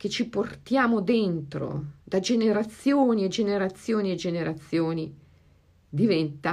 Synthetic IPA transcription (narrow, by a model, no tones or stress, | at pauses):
k̟et͡ʃːiport̪jaːmod̪ent̪ɾo̰d̪ad͡ʒeneɾat̪sːjoːnied͡ʒeneɾat̪sːjoːnied͡ʒːeneɾat̪sːjoːni | d̪ivɛnt̪a